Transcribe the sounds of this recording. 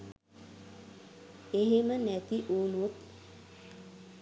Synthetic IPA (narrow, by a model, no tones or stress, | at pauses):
eɦemənɛt̪iʔuːnut̪